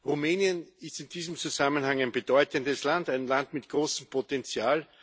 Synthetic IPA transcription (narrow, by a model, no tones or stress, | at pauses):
ʁumɛːnjənɪstɪnd̥iːzəm̩t͡suzamənhaŋæɪnbəd̥ɔʏtəndəslandæɪnlantmɪtɡ̥ʁoːsəm̩pʰotɛnt͡sjaːl